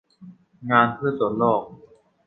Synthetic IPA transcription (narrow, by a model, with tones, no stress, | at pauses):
ŋaː˧npʰɯ˥˩ɐso˨˩˦nlɔː˥˩k̚